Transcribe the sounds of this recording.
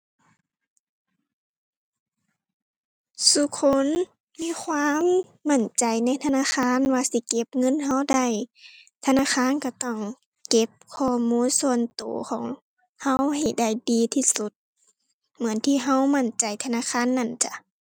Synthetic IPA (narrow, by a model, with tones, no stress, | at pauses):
su˧˦kʰo˧˥˨n | miː˧˥˨kʰwaː˧˥˨mː | a˧˩˨nt͡ɕa˨jna˧˥jt̪ʰa˧naː˧˥˨kxʰaː˧˥˨nwaː˧si˧˦ke˧˦p̚ŋɤ˧˥˨nɦa˧˥˨wda˧˩jt̪ʰa˧naː˧˥˨xʰaː˧˥˨nka˧˩t̪ɔː˧˩ŋ | ke˧˥p̚kʰɔː˧˩muː˧˥˨nsu˧ə˨nt̪o̰ː˨˦kʰɔ̰ː˨˦ŋ | ha˧˥wha˧˨˩jda˧˩jdiː˧˦t̪ʰiː˧˩su˧˦t̪̚ | mɯ˨˦ənt̪ʰiː˧˨ɦa˧˥˨wma˧˩˨nt͡ɕa˨jt̪ʰa˧naː˧˥˨kʰaː˧˥˨nːa˧˥˨nt͡ɕa˧